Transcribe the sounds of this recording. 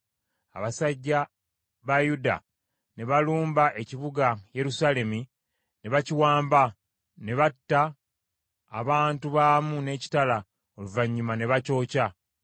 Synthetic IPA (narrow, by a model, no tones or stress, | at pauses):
a̰βasaɟːa | βajuda̰ | ne̞βaluːmbaʔe̞ciβuɡaje̞ɾusale̞mi | ne̞βaciwaːmba | ne̞βatːaː | βaːntuβaːmune̞ːci̥tala | o̞luvaɲːumane̞βaco̞ːca